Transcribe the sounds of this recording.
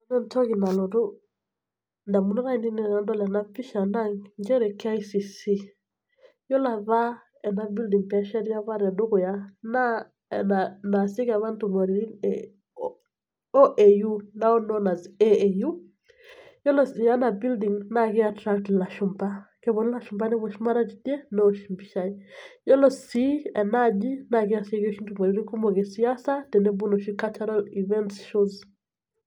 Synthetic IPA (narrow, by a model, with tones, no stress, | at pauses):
ɔnɔ˦ntɔ˦ki˨na˨lɔ˨du˦ | nda˨mu˨nɔ˦ɾa˦i˨ni˦ni˦˨na˨dɔ˦lɛ˨na˦pi˦ʃa˨na˦ŋd͡ʒɛ˦ɾɛ˨ka˦i˦si˨si˦ | jɔ˦la˨ba˦ | ɛ˨na˦˨bi˦ldi˨ŋpɛ˦ʃɛ˦dja˦βa˦ɾɛ˨du˦kʊ˨ja˦na˦˨ | na˨na˨si˦ka˨βa˦ntu˨mo˨ɾi˨ɾi˦nɛ | o˦ʔe˨ju˦na˦o˦nɔ˦na˨ze˦eju˦ | jɔ˦lɔ˨si˨a˦na˨bi˦ldi˨ŋna˦kɪ˦atɾa˦ktla˨ʃumba˦ke˦bɔ˨n˦la˦ʃumba˦ni˦bo˨ʃi˦ma˦ɾa˦d͡ʒitje˦nɔ˦oʃi˨mbi˨ʃaijɔ˦lɔ˦si˦ɛ˨na˦d͡ʒi˦naɡɪ˦a˨se˦ɡo˦ʃi˦ntu˨ma˨ɾi˨ɾi˦ku˦mɔ˨ɡe˨sia˦satɛ˨ne˦bu˦no˨ʃi˦ka˦t͡ʃa˦ɾalivɛ˦ntsʃuz